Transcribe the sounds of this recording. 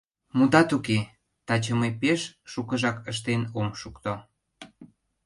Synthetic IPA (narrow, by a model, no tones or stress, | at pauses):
mud̪ɑt̪uke | t̪ɑt͡ɕəmepeʃʃukəʒɑkəʃt̪enomʃukt̪o